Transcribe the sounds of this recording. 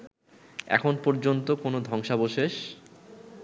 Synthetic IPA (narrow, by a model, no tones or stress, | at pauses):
ɛ̰kʰonpoɾd͡ʑont̪okonod̪ʱɔŋʃaboʃeʃ